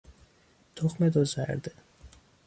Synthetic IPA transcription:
t̪ʰoχmed̪ozæ̰ɾd̪e

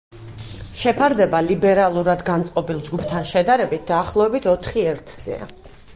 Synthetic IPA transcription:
ʃɛpʰaɾd̪ɛbalibɛɾalˠuɾad̪ɡant̪sʼqʼɔbilˠd͡ʒɡupʰt̪ʰanʃɛd̪aɾɛbit̪̚ʰd̪aːχlˠɔvɛbit̪ʰɔt̪ʰχiɛɾt̪ʰz̥ɛ̰a̰

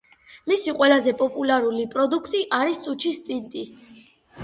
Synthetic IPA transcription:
misiqʼwɛlazɛpʼɔpʼulaɾulipʼɾɔd̪ukʰt̪ʼiʔaɾist̪ʼut͡ʃʰist̪ʼint̪ʼi

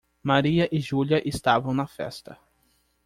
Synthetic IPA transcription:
maɾiɐʔɪʒuljɐʔest̪avɐ̃w̃nɐfɛ̰st̪ɐ

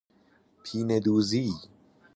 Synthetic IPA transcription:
pʰiːned̪uːzi

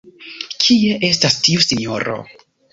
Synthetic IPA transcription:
kʰie̞ʔe̞stastiusinoɾo̞̰

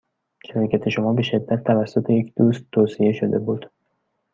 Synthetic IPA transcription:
ʃæɾɒːcʰæt̪ʰe̞ʃo̞mɒːbe̞ʃe̞d̪ːæt̪̚ʰːævæsːot̪ʰe̞je̞cd̪uːst̪ʰːoːsije̞ʃod̪e̞buːd̪̥

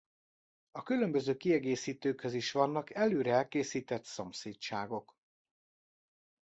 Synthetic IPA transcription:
ɒkylø̞mbø̞zøːkiɛɡeːsiːt̪øːkhø̞ziʃʋɒnːɒkɛløːɾɛɛlkeːsiːt̪ɛt̪somseːtt͡ʃaːɡo̞k

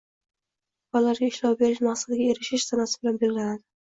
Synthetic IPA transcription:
balaɾɡʲaɪʃlɑwbe̞ɾɪʃmaqsad̪ɪɡʲae̞ɾɪʃɪʃsanasɪbɪlanbelɡʲɪlad̪ɪ

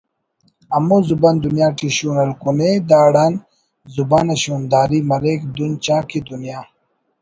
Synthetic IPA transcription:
ɐmuzubɐnd̪unjaːʈiɕuːnɐlkuned̪aːɽan | zubanɐɕuːnd̪aːɾimɐɾekd̪unt͡ɕãːkid̪unjaː

